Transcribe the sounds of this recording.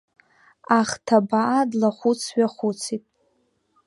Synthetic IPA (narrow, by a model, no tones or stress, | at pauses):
aχtʰabaʔadlaχʷut͡sʰɥaχʷut͡sʰitʼ